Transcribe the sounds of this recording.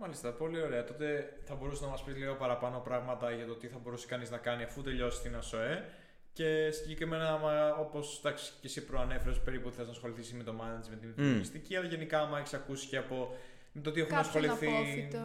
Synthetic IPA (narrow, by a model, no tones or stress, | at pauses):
mɐlist̪ɐpo̞lio̞ɾe̞ɐt̪o̞t̪e̞θɐbo̞ɾusenɐmɐspizlio̞pɐɾɐpɐno̞pɾɐɣmɐt̪ɐʝɐt̪ot̪iθɐbo̞ɾusi̥kɐniznɐkɐniɐfut̪e̞ʎo̞si̥st̪inɐso̞e | ce̞siɲɟe̞kɾime̞nɐmo̞po̞sd̪ɐksi̥cesipɾoɐne̞feɾespe̞ɾipuθeznɐsxo̞liθisimit̪o̞mɐnt̪zme̞t̪imit̪pist̪iciɐlɐʝe̞nikɐmɐeçi̥sɐkusi̥ceɐpo̞ | met̪ot̪iexunnɐsxo̞liθi